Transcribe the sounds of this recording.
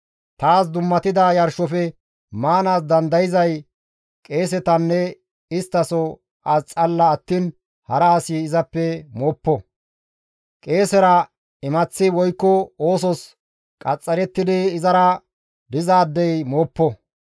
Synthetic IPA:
t̪aːsd̪ʊmːɐt̪ɪd̪ɐjɐɾʃɔfɛ | maːnaːsd̪ɐnd̪ɐjɪzɐj | kʼe̞ːs̬ɛt̪ɐnːɛ | ɪst̪ːɐsɔ | ɐst͡sʼɐlːɐːt̪ːiːn | hɐɾɐːsiɪzɐpːɛmoːpːɔ | kʼe̞ːsɛɾɐ | ɪmɐt͡sːɪwɔjkːɔoːsɔs | kʼɐt͡sʼːɐɾɛt̪ːɪd̪ɪːzɐɾɐ | d̪ɪzaːd̪ːɛjmoːpːɔ

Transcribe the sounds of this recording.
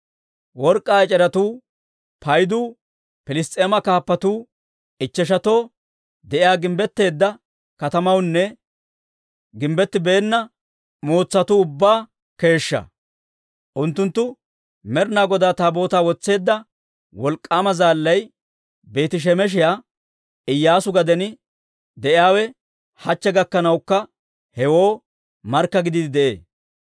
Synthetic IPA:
wɔɾkʼːaːɪt͡ʃʼɛɾɐt̪uː | pʰɐjd̪uː | pɪlɪst̪ʼe̞ːmɐkaːpːɐt̪uː | ɪt͡ʃːɛʃ̬ɐt̪o̞ː | d̪ɛʔɪjaːɡɪmbɛt̪ːe̞ːd̪ːɐ | kɐt̪ɐmɐwnːɛ | ɡɪmbɛt̪ːɪbeːnːɐ | moːt͡sːɐt̪uʊbːaː | ke̞ːʃːɐ̰ | ʔʊnt̪ːʊnt̪ːʊ | mɛɾnaːɡɔd̪aːt̪aːbo̞ːt̪aːwɔt͡sːe̞ːd̪ːɐ | wɔlkʼːaːmɐzaːlːɐj | be̞ːt̪ɪʃ̬ɛmɛʃ̬ɪjaː | ɪjːaːsʊɡɐd̪ɛnɪ | d̪ɛʔɪaːwɛ | hɐt͡ʃːɛɡɐkːɐnɐwkːɐ | hɛwo̞ː | mɐɾkːɐɡɪd̪ɪd̪ɪd̪ɛʔḛː

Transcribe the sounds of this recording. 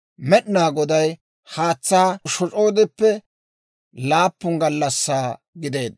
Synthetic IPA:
mɛɗɪnaːɡɔd̪ɐj | haːt͡sːaːʃɔt͡ʃʼo̞ːd̪ɪpːɛ | laːpːʊŋɡɐlːɐsːaː | ɡɪd̪e̞ːd̪

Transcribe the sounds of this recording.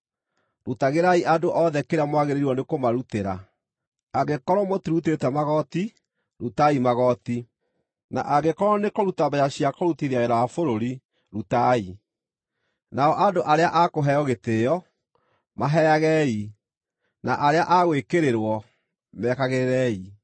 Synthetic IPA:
ɾutaɣeɾaiʔadoʔɔðɛkeɾamwaɣeɾeɾiwɔnekomaɾuteɾa̰ | aɣekɔɾɔmotiɾut̬etɛmaɣɔti | ɾutaimaɣɔti | na̰ʔaɡekɔɾɔnekoɾutabajaɕiakɔɾutiɾeaeɾawafoɾoɾi | ɾutai | naɔʔadoʔaɾeaʔakoɦɛjɔɣetejɔ | maɦɛaɣɛi | naʔaɾeaʔaɣwekeɾeɾwɔ | mɛkaɣeɾeɾɛi

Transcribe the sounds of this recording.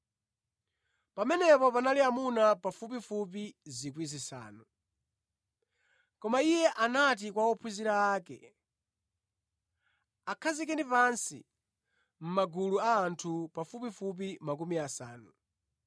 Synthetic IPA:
pamɛnɛpɔpanaliamunapafup̬ifup̬izik̬wizisa̰ːnu | kɔmaijɛʔanat̬ikwawɔpʰuziɾaːkɛ̰ | akʰazikɛnipansḭ | m̩maɡuluaːntʰupafupifup̬imak̬umiasa̰ːnu

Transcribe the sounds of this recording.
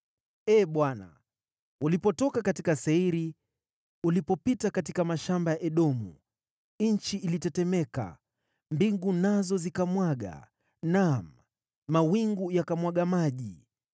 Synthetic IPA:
ɛːɓwana̰ | ulipɔtɔkakatikasɛiɾi | ulipɔpitakatikamaʃambajaʔɛɗɔmṵ | nɲ̩t͡ʃiʔːlitɛtɛmɛka̰ | mbiŋɡunazɔzikamwaɠa̰ | namː | awiŋɡujakamwaɠamaʄi

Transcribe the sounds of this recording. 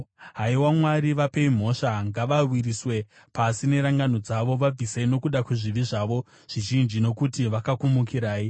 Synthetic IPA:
ɦaiwamwaɾiʋape̞im̤o̞ʃaŋɡaʋawiɾiswe̞ | pasine̞ɾaŋɡano̞d͡zaʋo̞ʋab͡viseino̞kuɗakuʐiʋiʐaʋo̞ | ʐ̥iʒind͡ʒino̞kutiʋakakumukiɾaːi

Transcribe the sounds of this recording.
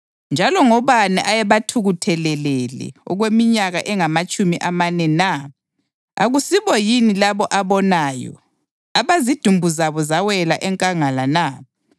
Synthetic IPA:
nd͡ʒʱalɔŋɔβanɛʔajɛβatʰuɣutʰɛlɛlɛlɛ̰ɔɣwemiɲaɣaʔɛŋamat͡ʃʼumiʔamanɛna | a̰ɣusiβɔjinilaβɔʔaβɔnaːjɔ̰ | aβazid̥ʱumbʱuzaβɔzawɛlaʔɛŋkʼaŋalana

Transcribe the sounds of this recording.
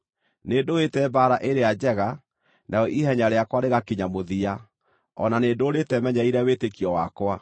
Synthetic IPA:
neːndoetɛbaːɾaʔeɾead͡ʑɛɣa | nʔaɔʔiɦɛɲaɾeakwaɾeɣakiɲamoðia | ɔnaneːdoɾetɛmɛɲaiɾɛwetekiɔwakwa

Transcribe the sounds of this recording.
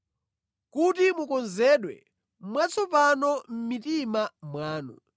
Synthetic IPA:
kut̬imukɔnzɛɗwɛ̰ | mwat͡sʰɔpanɔm̩mitimamwaːnɔ̰

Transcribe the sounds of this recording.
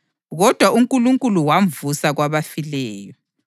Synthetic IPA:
ɣɔd̥ʱwaʔuŋkʼuluŋkʼuluwaɱvusaɣwaβafilɛːjɔ

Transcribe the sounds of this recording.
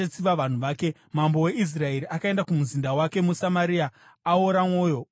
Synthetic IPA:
at͡siʋaʋan̤uʋaːke̞ | mambo̞we̞is̬raeɾiʔakae̞ndakumuzindawake̞musamaɾia | aoɾamo̞ːjo̞

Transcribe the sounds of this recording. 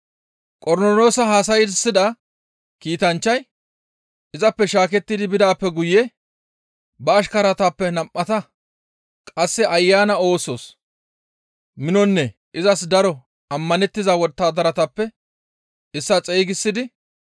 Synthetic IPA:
kʼɔɾnɔlo̞ːsɐɦaːsɐjɪsːɪd̪ɐ | kiːt̪ɐnt͡ʃːɐj | ɪzɐpːɛʃaːkɛt̪ːɪd̪ɪbɪd̪aːpːɛɡʊjɛ | bɐːʃkɐɾɐt̪ɐpːɛnɐmʔːɐt̪ɐ | kʼɐsːɛʔɐjːaːnɐo̞ːso̞ːs | mɪnɔnːɛ | ʔɪzɐsd̪ɐɾɔ | ɐmːɐnɛt̪ːɪzɐwɔt̪ːaːd̪ɐɾɐt̪ɐpːɛ | ɪsːɐt͡sʼeːɡɪsːɪd̪ɪ

